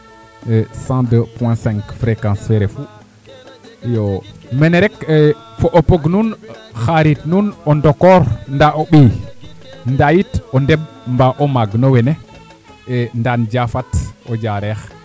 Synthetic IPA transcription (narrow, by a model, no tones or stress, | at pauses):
sãdəpwɛ̃sɛ̃ŋkfɾekãnsfɛɾefu | jomɛnɛɾɛk | foʔopoɡnunxaɾitnunondokɔɾndaʔoɓij | ndajitondɛb̚ | mbaʔomaɡnowɛne | ndand͡ʒafatod͡ʒaɾɛx